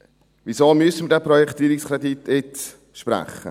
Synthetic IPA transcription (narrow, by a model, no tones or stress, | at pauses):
ʋisoːmyəsəmədɛːpɾɔjɛkʰt̪iːɾikskʰɾɛdit̪ːɪt | ʃpɾæ̰χːə̰